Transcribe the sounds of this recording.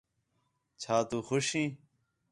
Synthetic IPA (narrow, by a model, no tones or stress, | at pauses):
t͡ɕʰaːt̪uːxʊɕĩː